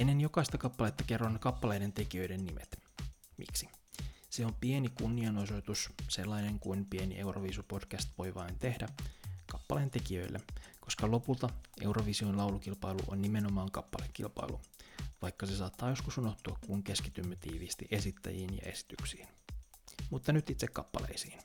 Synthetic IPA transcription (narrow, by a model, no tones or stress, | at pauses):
enːenjo̞kɑist̪ɑkɑpːɑlet̪ːɑke̞rːɑnːekɑpːɑlejde̞nt̪e̞kiø̞jdenːimʔet̪mḭksi̥seo̞mpie̞nikunːiɑno̞so̞jt̪usselːɑjne̞ŋkuinpie̞nḭʔe̞uro̰ʋisupo̞d̥kæst̪ʋo̞jʋɑint̪e̞hdækɑpːɑleːnt̪e̞kiø̞̰ilːʔḛko̞skɑlo̞pult̪ɑʔe̞uwroʋisioinlɑwlukilpɑjlṵʔo̰nnimenomɑːŋkɑpːɑlekːḭlpɑ̰ilṵʋɑjkːɑsesɑːt̪ːɑːjo̞skusuno̞ht̪uɑkkuŋke̞skit̪ymːæt̪ḭːʋist̪iʔe̞sit̪ːæ̰jiːnjɑ̰ʔe̞si̥t̪yksiːin | mut̪ːɑnyt̪it̪sekkɑpːɑ̰lḛjsiːn